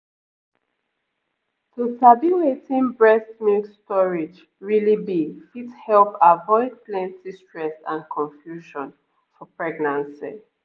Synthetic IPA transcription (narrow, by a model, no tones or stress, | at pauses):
tusabiwetĩnbɹɛsmikstɔɹid͡ʒ | ɹilibifithɛlpavɔɪd̚plɛ̃ntistɹɛsã̰nkʰɔ̃ɱfjuʃɔ̃n | fɔpɹɛɡnãnsḭ